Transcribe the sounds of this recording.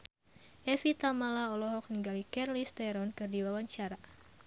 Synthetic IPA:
ʔɛfit̪amalaɔlɔɦɔk̚niŋɡalikɛrlist̪ɛɾɔnkɨrdiwawaɲt͡ʃaɾa

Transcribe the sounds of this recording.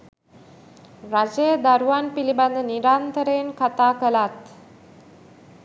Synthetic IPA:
ɾad͡ʒejəd̪aɾuʋanpiliband̪əniɾant̪əɾeːnkat̪aːkəlat̪

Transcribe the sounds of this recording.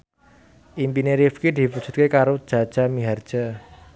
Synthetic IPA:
ʔimpineɾifkid̪̥i̤pud̥ʒ̥ṳt̪̚kekaɾod̥ʒ̥a̤d̥ʒ̥a̤miɦard̥ʒ̥a

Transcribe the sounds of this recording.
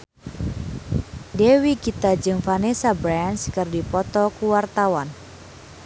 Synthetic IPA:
dewikit̪ad͡ʒɨŋfanesabɾɛnskɨrdipɔt̪ɔkuwart̪awan

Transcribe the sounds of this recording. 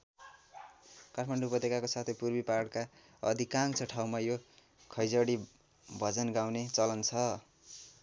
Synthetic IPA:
karʰmaɳɖupʌt̪ikakosat̪ʰʌjpurbiparɽka | ʌ̰d̪ʱikaŋt͡sʰʌʈʰawmajo | kʰʌjd͡zʌɽi | bʱʌd͡zʌnɡaw̃net͡sʌlʌnt͡sʰʌ

